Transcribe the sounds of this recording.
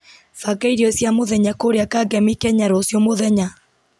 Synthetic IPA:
faɡaiɾiɔsjamoðɛɲakoɾeakaɡɛmikɛɲaɾɔsjɔmoðɛɲa

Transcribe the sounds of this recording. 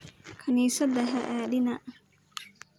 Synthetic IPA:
kʰɐniːsɐd̪ɐɦɐʔaːðɪnɐʔ

